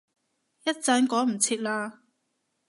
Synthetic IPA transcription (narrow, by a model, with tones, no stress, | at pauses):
jɐ˥t̚t͡sɐ˨˧nkɔː˨˥m̩˨˩t͡sʰiː˧˥t̚laː˧